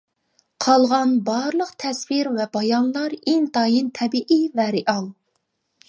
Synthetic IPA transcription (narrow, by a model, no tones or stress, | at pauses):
qʰɑlˠʁɑnbɑɾlˠəqt̪ʰɛsviɾvɛbɑjɑnlˠɑɾiŋt̪ɑːjint̪ʰɛbiʔivɛɾɪʔɑlˠ